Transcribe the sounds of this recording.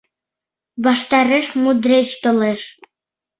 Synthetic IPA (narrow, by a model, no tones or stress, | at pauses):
βɑʃt̪ɑɾeʃmud̪ɾet͡ɕt̪oleʃ